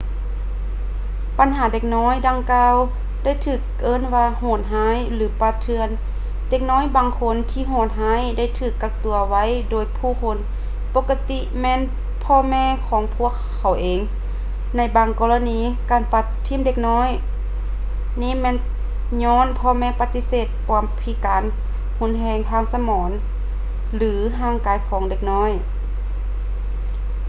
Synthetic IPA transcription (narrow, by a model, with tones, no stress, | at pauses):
pa˨˦nɦaː˨˦de˧k̚nɔː˧˥˨jda˧ŋkaː˧w | da˥˩jt̪ʰɯː˧˩k̚ʔɤː˧˥˨nwaː˧hoː˧˩t̪̚ɦaː˧˥˨jlɯː˨˦pa˧˦t̪ʰːɯ˧ən | de˧˩k̚nɔː˧˥˨jbaː˨ŋkʰo˧˥˨nt̪ʰiː˧˨ɦɔː˧˩t̪̚ɦaː˧˥˨jda˧˥˩jt̪ʰɯː˧˩kːa˧k̚t̪u˨˧˩ɐwa˧˥˨jdoː˨˩jpʰuː˧˩kʰo˧˦n | po˧˥kːa˧t̪i˧mɛː˧˥˨n | pʰɔː˧mɛː˧˨kʰɔː˨˦ŋpʰu˧˥˩əkʰːa˨˩wʔeː˨ŋ | na˧˩jbaː˧ŋkɔː˧la˧niː˧ | kaː˨˩npa˧˩t̪ʰːiː˧˥˨mde˧˩k̚nɔː˧˥˨j | niː˧˥˨mɛː˧˨n | ɲɔː˧˥˨npʰɔː˧˨mɛː˧˨pa˧t̪ːi˧˥seː˧˩t̪̚kɔ˧˦mpʰi˧˦kaː˨˦n | hu˧˨nɦɛː˧ŋt̪ʰaː˧˥˨ŋsa˧mɔː˨˦n | lɯː˨˦ɦaː˧˥˩ŋkaː˨˦jkʰɔː˨˦ŋde˧˩k̚nɔː˧˥˨j